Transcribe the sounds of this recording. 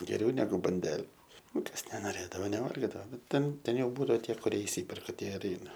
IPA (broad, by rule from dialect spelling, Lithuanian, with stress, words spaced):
ɡʲɛˈrʲɛʊ nʲɛˈɡʊ bɐnʲˈdʲæːlʲɛ ˈnʊ ˈkɐs nʲɛnoːˈrʲeːdɐʋoː nʲɛˈʋɐlʲɡʲɪdɐʋoː ˈnʊ ˈtʲɛn ˈtʲɛn ˈjɛʊ ˈbuːdɐʋoː ˈtʲiɛ kʊˈrʲiɛ ɪʃʲˈsʲiːpʲɛrkɐ ˈtʲiɛ ɪr ˈɛɪnɐ